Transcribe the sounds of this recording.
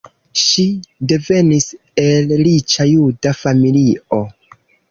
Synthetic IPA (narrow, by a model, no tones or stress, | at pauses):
ʃide̞ve̞nis | e̞lɾit͡ʃajudafamilio̞